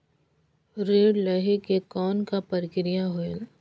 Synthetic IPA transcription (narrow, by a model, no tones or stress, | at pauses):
ɾeːɽlɐɦekekɔːnkapɐɾɪkɾɪjaɦoel